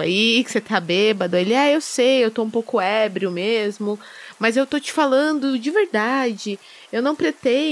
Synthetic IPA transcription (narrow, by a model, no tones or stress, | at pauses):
a̰ikɪ̥set̪ʰabebɐd̪ʊelɪɛewsejewt̪oũpowkʊɛbɾiʊmezmʊ | mɐzewt̪ot͡ʃɪ̥falɐ̃nd̪ʊd͡ʒɪveɾd̪ad͡ʒɪ | ewnɐ̃w̃pɾet̪e